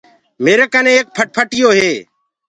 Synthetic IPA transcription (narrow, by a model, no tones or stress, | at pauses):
meːɾeːkənẽːeːk̚pʰəʈ̚pʰəʈɪjoːɦeː